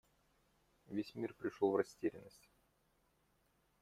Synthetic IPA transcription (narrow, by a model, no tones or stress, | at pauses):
vʲesʲmʲirpɾʲɪʂovrɐsʲtʲeɾʲɪ̰nːəsʲtʲ